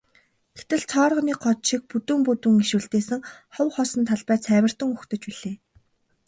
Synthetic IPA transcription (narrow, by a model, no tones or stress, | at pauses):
ɡ̥et̪ɘ̆ɮt͡sʰɔːrʁə̆niːk̚ɢɔt̪ʃik̚put̪ŭmput̪ŭːŋiʃŭːɮt̪eːsɘ̆ŋχɔwχɔsɞ̆nt̪ʰaɮpæːt͡sʰæːwʲə̆r̥t̪ɵ̆ŋuxt̪ɵ̆t͡ɕpiɮ̥eː